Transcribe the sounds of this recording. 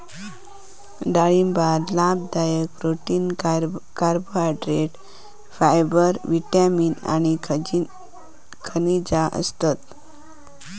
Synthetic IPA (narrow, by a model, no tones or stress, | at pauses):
ɖaɭimbad̪lab̚d̪ajəkɾoʈinkaɾboaɖɾeʈ | fajbəɾʋiʈamina̰ñi | kʰənid͡ʑaʔə̰st̪at̪